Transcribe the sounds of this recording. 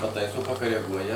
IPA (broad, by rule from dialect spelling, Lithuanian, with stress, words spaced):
pɐˈtɐɪsoː pɐkɐrʲɛˈɡuɔjɛ